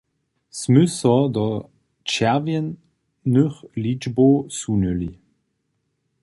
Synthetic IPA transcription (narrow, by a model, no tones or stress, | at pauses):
smʏsɐdɔ | t͡ʃɛɐvjənː | øχlid͡ʒbosunøli